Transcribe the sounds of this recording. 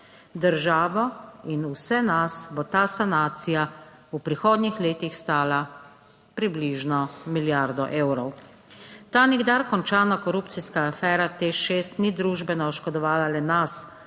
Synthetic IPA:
d̪əɾʒaːʋɔinusɛnasbɔt̪aːsanaːt̪sija | upɾixoːd̪nixleːt̪ixst̪aːla | pɾibliʒnɔmiljaɾd̪ɔʔeːwɾɔw | t̪aːniɡd̪aɾkɔnt͡ʃaːnakɔɾuːp̪siskaːfɛːɾat̪eʃeːst̪nid̪ɾuːʒbɛnɔʃkɔd̪ɔʋaːlalɛnas

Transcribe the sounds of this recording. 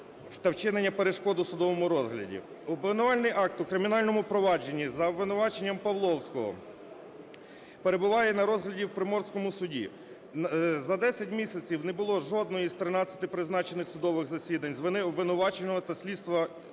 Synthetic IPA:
t̪ɐwt͡ʃɪnenʲːɐpeɾeʃkɔd̪ʊsʊd̪ɔʋɔmʊɾɔzɦlʲɐ̰dʲḭ | ʊblˠenʊʋɑlʲnɪjʔɑk̚t̪ʊkɾɪmʲin̪ɑlʲnɔmʊpɾɔʋɑd͡ʒe̞nʲːizɐʋɪnʊʋɑt͡ʃe̞nʲːɐmpɐʋlˠɔwsʲkɔɦɔ̰ | pe̞ɾe̞bʊʋɑjɛnɐɾɔzɦlʲɐdʲiwpɾɪmɔrsʲkɔmʊsʊdʲḭ | zɐd̪ɛsʲɐtʲmʲisʲɐt͡sʲiwnɛbʊlˠɔʒɔd̪̚nɔjist̪ɾɪnɑt͡sʲːɐ̥t̪ɪpɾɪznɑt͡ʃenɪxsʊd̪ɔʋɪɣzɐsʲid̪ɐnʲzʋɪnɪʋːɪnʊʋɑt͡ʃenɔɦɔt̪ɐsʲlʲid̪st̪ʋɐ

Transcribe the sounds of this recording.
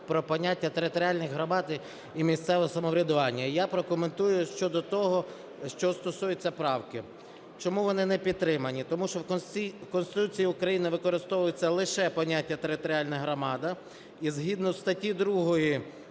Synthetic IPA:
pɾɔpɔnʲatʲːɐt̪eɾɪt̪ɔɾʲialʲnɪxɦɾɔmɑd̪ | imʲist̪sɛʋɔɦɔsɐmɔʋɾʲɐd̪ʊʋɑnʲːɐijapɾɔkʊment̪ujʊʃt͡ʃɔd̪ɔt̪ɔɦɔ | ʃt͡ʃɔst̪ɔsujʊt͡sʲːɐpɾɑwkɪ | t͡ʃɔmuʋɔnɪnɛpʲid̪̚t̪ːɾɪmɐnʲit̪ɔmuʃt͡ʃɔwʲikɔnst̪ɪt̪ut͡sʲijiʊkɾɐjinɪʋɪkɔɾɪst̪ɔʋʊjʊt͡sʲːɐlˠɪʃɛpɔnʲatʲːɐt̪eɾɪt̪ɔɾʲialʲnɐɦɾɔmɑd̪ɐ | izɦid̪nɔwst̪ɐtʲid̪ɾuɦɔji

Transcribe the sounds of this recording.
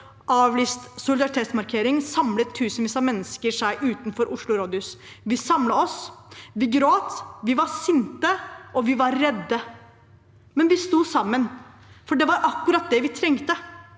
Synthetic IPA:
ʔɑːʋliːst̪sʊlɪd̪ɑɾɪt̪ʰeːt̪smɑɾkʰeːɾɪŋsɑmlət̪ʰːʉːsənʋiːsəmɛnːəskəɾʂæɪʔʉːt̪nfɔɾʔʊʂɭʊɾoːd̪ʉs | ʋɪsɑmləɔsʋɪɡɾoːt̪ʋɪʋɑsɪnt̪əʔɔʋɪʋɑɾːɛd̪ːə | mɛnʋɪst̪uːsɑmːən | fɔɖɛʋɑɾʔɑkːʉɾɑt̪̚d̪ɛʋɪt̪ʰɾɛŋt̪ə

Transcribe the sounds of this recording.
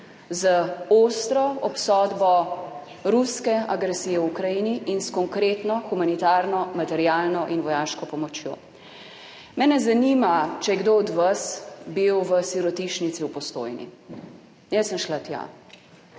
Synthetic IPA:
zəoːst̪ɾɔɔpsɔːd̪bɔ | ɾuskɛaɡɾɛsiːjɛwukɾajiniʔinskɔŋkɾeːt̪nɔxumanit̪aːɾnɔmat̪ɛɾjaːlnɔʔinʋɔjaːʃkɔpɔmɔt͡ʃjo̰ː | mɛnɛzanimat͡ʃɛjɛɡd̪oɔd̪ʋasbiwʋəsiɾɔt̪iʃnit̪siwpɔst̪o̰ːjnḭ | jɛsːəmʃlat̪ja̰

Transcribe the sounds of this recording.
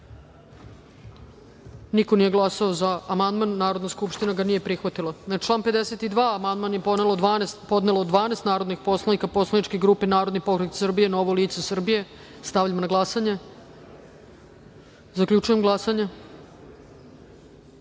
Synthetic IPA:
nikonijeɡlˠasaozaːmand̪manːaːɾo̞d̪naskupʃt̪inaɡaniːjepɾixʋat̪ilanaʈ͡ʂlˠaːnped̪eset̪id̪ʋaːmand̪manjepo̞d̪ne̞lod̪ʋaːnest̪po̞d̪nelood̪ʋaːneːst̪naːɾo̞d̪nixpo̞slˠanikapo̞slˠaniʈ͡ʂkiɡɾuːpenaːɾod̪nipokɾeksr̩bije̞nooʋoliːt̪sesr̩bije̞ | st̪avʎʲamonaɡlˠasaɲe | zakʎʲut͡ʃujemɡlˠasaɲe

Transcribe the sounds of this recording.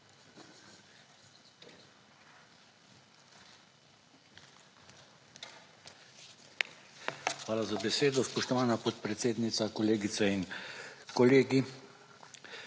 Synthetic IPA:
xʋaːlazabɛseːd̪ɔspɔʃt̪ɔʋaːnapɔt̪pɾɛt̪seːd̪nit̪sakɔleːɡit̪sɛinkɔleːɡi

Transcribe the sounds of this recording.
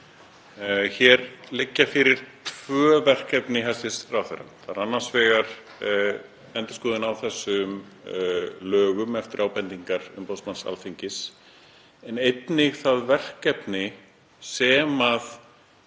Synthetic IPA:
çɛɾlɪcːafɪɾɪɾ̥t̪ʰvœːvɛr̥kɛpnɪɦɛsɪsrawθɛ̰ɾa̰nθaɾanːansvɛːɣaɾ̥ | ɛnt̪ɪskuːðɪnawθɛsːʏm | lœːɣʏmɛft̪ɪɾʔaːwpɛnt̪iŋkaɾʏ̰mposmansa̰lfiɲcɪs | ɛnejt̪nɪɣθaðvɛr̥kɛpnɪ | sɛːmað

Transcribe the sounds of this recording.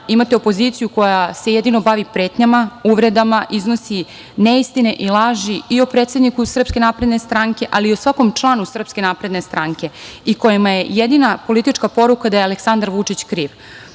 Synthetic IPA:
imat̪e̞opo̞zit̪sijuko̞jase̞jed̪ino̞baʋipɾe̞ːt̪ɲamauʋɾe̞d̪amaʔizno̞si | neist̪ine̞ʔilˠaʒiiopɾeːt̪sed̪nikusr̩pske̞napɾe̞d̪ne̞st̪ɾaŋke̞ʔaliːosʋako̞mt͡ʂlˠaːnusr̩pske̞napɾe̞d̪ne̞st̪ɾaŋke̞iko̞jimaje̞jed̪inapo̞lit̪it͡ʃkapo̞ɾukad̪ajealeksand̪aɾʋut͡ʂit͡ɕkɾiːʋ

